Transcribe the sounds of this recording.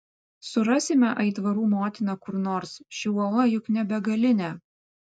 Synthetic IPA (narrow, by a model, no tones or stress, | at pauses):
sʊɾɑsʲɪmʲɛʔɐɪt̪ʋɐɾuːmoːt̪ʲɪnɑkʊɾnoːɾsʃʲɪɔlˠɐjʊknʲɛbʲɛɡɐlʲɪnʲæː